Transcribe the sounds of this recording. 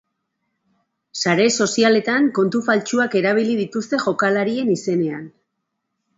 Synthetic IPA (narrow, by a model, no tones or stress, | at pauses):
saɾe̞so̞siale̞t̪aŋko̞nt̪ufalt͡ʃuake̞ɾaβ̞ilið̞it̪ust̪e̞ʝo̞kalaɾie̞nise̞ne̞an